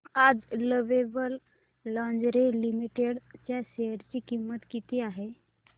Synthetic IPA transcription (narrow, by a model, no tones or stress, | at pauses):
ad͡zləʋebəlː | ãnd͡ʒɾelimiʈeɽt͡ɕjaɕeɦəɾt͡ɕikimːət̪kit̪iaɦe